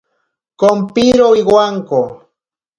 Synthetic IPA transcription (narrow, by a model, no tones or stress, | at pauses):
kompiɾoiɡwaŋko